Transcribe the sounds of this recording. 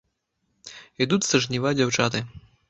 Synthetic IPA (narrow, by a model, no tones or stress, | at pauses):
id̪ut͡s̪ʲsɐʐnʲivad͡zʲawt͡ʂat̪ɨ